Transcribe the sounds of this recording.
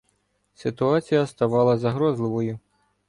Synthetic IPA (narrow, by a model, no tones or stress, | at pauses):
sʲɪt̪ʊɑt͡sʲijɐst̪ɐʋɑlˠɐzɐɦɾɔzlˠɪʋɔjʊ